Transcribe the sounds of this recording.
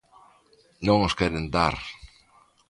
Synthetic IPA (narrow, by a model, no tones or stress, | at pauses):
nõŋoskɛɾend̪a̰ɾ